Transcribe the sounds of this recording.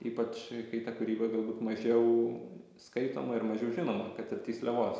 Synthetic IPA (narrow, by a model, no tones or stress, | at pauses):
iːpɐt͡ʃkɐɪt̪ɑkʊɾʲiːbɐɡɐlˠbuːt̪mɐʒʲɛʊ | skɐɪt̪o̰ːmɐɪɾmɐʒʲɛʊʒʲɪnoːmɐkɐt̪ɪrt̪ʲiːslʲɛʋoːs